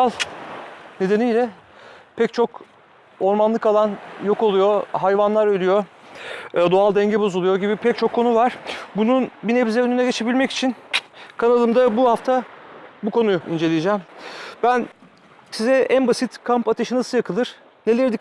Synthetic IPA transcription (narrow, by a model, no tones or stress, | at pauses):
alˠ | ne̞d̪e̞nijlʲɛpʰɛct͡ʃʰo̞k | o̞ɾmanlˠɯkalˠanjo̞ko̞lˠujo̞ɦajvanlˠaɾølʲyjo̞ | d̪oalˠd̪ɛɲɟɛbo̞zulˠujo̞ɟibipʰɛc̚t͡ʃʰo̞kʰːo̞nuvaɾ̥bununbinɛbizɛønynɛɟe̞t͡ʃʰe̞bilʲmɛci̥t͡ʃʰinkʰanalˠɯmd̪abuhaft̪ʰabukʰo̞nuḭnd͡ʒe̞lʲijed͡ʒɛmb̥æn | sizɛʔænbasit̪kʰampat̪ʰeʃɯnasɯjakʰɯlˠɯɾ̥ | ne̞lʲɛɾd̪ic